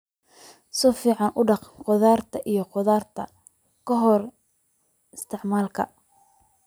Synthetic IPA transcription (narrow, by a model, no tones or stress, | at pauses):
sɔfiːʕɑnʔʊɖɑqqɔðaːrt̪ʰɐʔijɞqɔðaːrt̪ʰɐ̰ | kʰɐɦɔr | ɪst̪ʰɪʕmaːlkʰɐ̰